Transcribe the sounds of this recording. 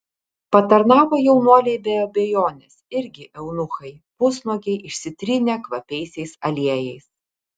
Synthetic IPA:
pɐt̪ɐɾnɑːʋojɛʊnuɔlʲeːbʲeːoːbʲeːjoːnʲɛsɪɾʲɡʲɪʔɛʊnʊxɐɪ | pʊsnukʲɛɪʔɪʃʲsʲɪt̪ʲɾʲɪnʲɛkʋɐpʲɛɪsʲɛɪsɐlʲiɛjɛɪs

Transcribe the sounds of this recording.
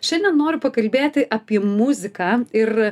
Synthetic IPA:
ʃʲɛnd̪ʲɛnnoːɾʲʊpɐkɐlʲbʲeːt̪ʲɪʔɐːpʲiɛmʊzʲɪkɑːɪr

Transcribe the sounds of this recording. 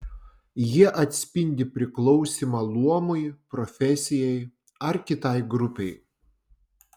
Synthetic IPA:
jiɛʔɐt̪ʲsʲpʲɪnʲd̪ʲɪpʲɾʲɪklˠɒʊsʲimɑlˠuɔmʊjpɾɔfʲɛsʲɪjɛɪ | ɐɾkʲɪt̪ɐɪɡɾʊpʲɛɪ

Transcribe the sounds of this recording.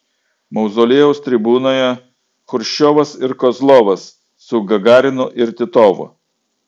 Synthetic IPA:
mɐʊzoːlʲeːjɛʊst̪ʲɾʲɪbuːnoːjɛ | xʊɾʲʃʲoːʋɐsɪɾkɔzlˠoːʋɐsː | ʊɡɐɡɑːɾʲɪnʊʔɪɾt̪ʲɪt̪oːʋʊ̰

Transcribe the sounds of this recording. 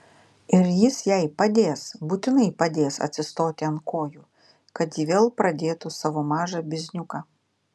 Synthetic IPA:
ɪɾjisjajpɐd̪ʲesbʊt̪ʲɪnɨjpɐd̪ʲesɐ̰t̪sʲɪst̪ot̪ʲɐnkoːju | kɐt̪ʲivʲelˠpɾɐd̪ʲeːt̪ʊsɐʋɔmaʒɐbʲɪzʲnʲukɐ

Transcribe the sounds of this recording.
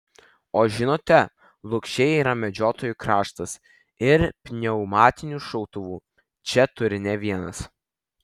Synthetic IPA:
oːʒʲɪnoːt̪ʲɛ | lˠʊkʃʲɛjiːɾɐmʲɛd͡ʒʲoːt̪oːjukɾɑːʃt̪ɐs | ɪɾpʲnʲɛʊmɑːt̪ʲɪnʲuːʃɔʊt̪ʊʋuː | t͡ʃʲɛt̪ʊɾʲɪnʲɛʋʲiɛnɐs

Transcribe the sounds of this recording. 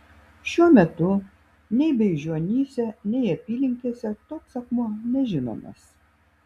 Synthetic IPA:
ʃʲuɔmʲɛt̪ʊ | nʲɛɪbʲɛɪʒʲuɔnʲiːsʲɛnʲɛɪɐpʲiːlʲɪŋʲkʲiɛsʲɛt̪oːksɐkmuɔnʲɛʒʲɪno̰ːmʲḛːs

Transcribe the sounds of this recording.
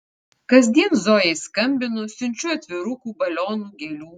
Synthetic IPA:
kɐzʲd̪ʲiɛnzoːjɛɪskɐmʲbʲɪnʊsʲʊnʲt͡ʃʲuːɐt̪ʲʋʲɪɾʊkuːbɐlʲoːnuːɡʲelʲuː

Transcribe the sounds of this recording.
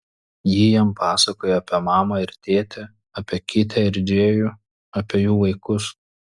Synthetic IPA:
jijɛmpɑːsɐkoːjɛɐpʲeɛmɑːmɐɪɾt̪ʲeːt̪ʲɛ | ɐpʲeːkʲɪt̪ʲɛɪɾʲd͡ʒʲeːju | ɐpʲeɛjuːʋɐɪkʊs

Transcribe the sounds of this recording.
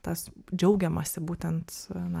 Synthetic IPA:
t̪ɐsd͡ʒʲɛʊɡʲɛmɐsʲɪbuːt̪ʲɛnt̪nɐ

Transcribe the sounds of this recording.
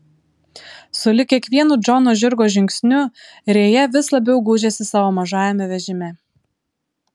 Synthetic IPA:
sʊlʲɪkʲiɛkʋʲiɛnuːd͡ʒɔnoːʒʲɪɾɡoːʒʲɪŋʲksʲnʲʊɾʲeːjɛʋʲɪslˠɐbʲɛʊɡuːʒʲesʲɪsɑːʋoːmɐʒɑːjʲɛmʲɛʋʲɛʒʲɪmʲɛ

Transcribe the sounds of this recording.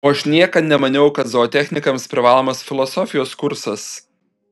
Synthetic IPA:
oːɐʃnʲiɛkɐnʲɛmɐnʲɛʊkɐt̪zoɔt̪ʲæxʲnʲɪkɐmspʲɾʲɪʋɑːlˠoːmɐsfʲɪlˠɔsɔfʲɪjoːskʊɾsɐs

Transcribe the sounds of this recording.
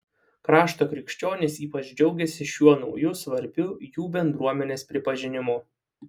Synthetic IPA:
kɾɑːʃt̪oːkɾʲɪkʃʲt͡ʃʲoːnʲesiːpɐt͡ʃd͡ʒʲɛʊɡʲɛsʲɪʃʲuɔnɒʊjʊsʋɐɾʲbʲʊjuːbʲɛnd̪ɾuɔmʲɛnʲeːspʲɾʲɪpɐʒʲɪnʲɪmʊ

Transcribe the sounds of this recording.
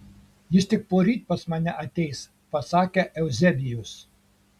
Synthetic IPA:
jɪst̪ʲɪk̚poːɾʲiːt̪̚ʲpɐsmɑːnʲɛʔɐt̪ʲɛɪs | pɐsɑːkʲɛʔɛʊzʲɛbʲɪjʊs

